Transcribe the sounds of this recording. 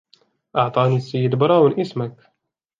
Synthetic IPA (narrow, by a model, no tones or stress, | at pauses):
ʔɑʕt̪ˤɑːniːsːajːɪd̪bɑɾˤɑːwɪnʔɪsmak